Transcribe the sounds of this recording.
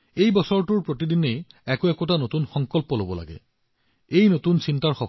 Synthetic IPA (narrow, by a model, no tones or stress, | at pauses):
ejbɔsɔɹtʊɹpɹotidinejɛkoɛkot̬anotunxɔŋkɔlpɔlobɔla̰ɡɛ̰ | ejnotunsintaɹxɔ